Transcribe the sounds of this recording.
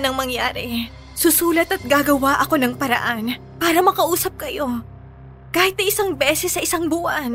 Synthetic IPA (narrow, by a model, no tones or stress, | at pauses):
nɐŋmɐŋjaːɾɛ | sʊsuːlɐt̪ɐt̪̚ɡaːɡɐwaʔɐko̞nɐŋpɐɾɐ̰ʔan | paːɾɐmɐkɐʔuːsɐp̚kɐjo̞ | kaːhɪt̪nɐjʔɪsaŋbɛːsɛsːɐʔɪsaŋbuʔɐn